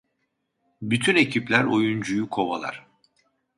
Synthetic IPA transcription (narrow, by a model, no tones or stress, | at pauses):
byt̪ʰyne̞cʰiplʲæɾo̞jund͡ʒujukʰo̞βa̰lˠa̰ɾ̥